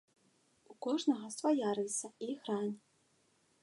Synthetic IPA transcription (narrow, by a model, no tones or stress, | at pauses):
ukɔʐnɐɣɐsvajarʲisɐixranʲ